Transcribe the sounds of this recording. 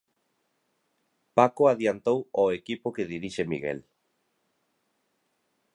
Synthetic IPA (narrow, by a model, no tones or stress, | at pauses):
pakoaðjant̪owoekipokeðiɾiʃemḭɣḛl